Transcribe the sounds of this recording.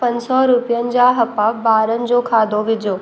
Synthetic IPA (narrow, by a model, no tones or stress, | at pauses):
pɐ̃ɲsɔːɾʊpjənɪ̆d͡ʑaːɦɐpabaːɾənɪ̆d͡ʑoːkʰaːd̪ʱoʋɪd͡ʑoː